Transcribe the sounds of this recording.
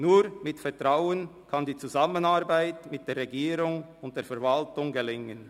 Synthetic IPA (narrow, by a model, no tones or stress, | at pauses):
nuːɾmɪtfɛtʁaʊənkʰɑndiːt͡suzamənaɾbaɪtmɪt̚d̥eːrʁɛɡiːɾʊŋʊntd̥eːɐfɛːɐɾvɑltʊŋɡelɪŋən